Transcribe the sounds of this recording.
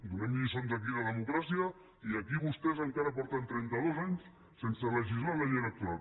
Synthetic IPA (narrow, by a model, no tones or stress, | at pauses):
d̪unɛmʎisond̪ək̬iləðəmukɾasiə | iəkiβust̪ɛzəŋkaɾəpɔɾt̪ənt̪ɾɛnt̪əð̞ozaɲs | sensərəʒizlalejenək̚t̪ual